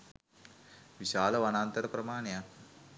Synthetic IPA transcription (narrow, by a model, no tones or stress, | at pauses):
ʋiɕaːləʋanaːnt̪əɾəprəmaːnejak